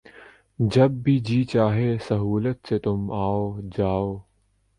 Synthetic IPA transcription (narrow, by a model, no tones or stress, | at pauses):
d͡ʒɐb̚ːid͡ʒiːt͡ʃaːɦesɐɦuːlət̪set̪ʊmaːoːd͡ʒaːoː